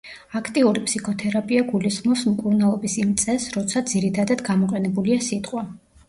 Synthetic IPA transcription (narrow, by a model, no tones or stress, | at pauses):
akʰt̪ʼiuɾipʰʼsikʰɔt̪ʰɛɾapʼiaɡulisχmɔpsmkʼuɾnalˠɔbisimt̪sʼɛsɾɔt̪sʰad̪ziɾit̪ʰad̪ad̪ɡamɔqʼɛnɛbuliasit̪ʼqʼwa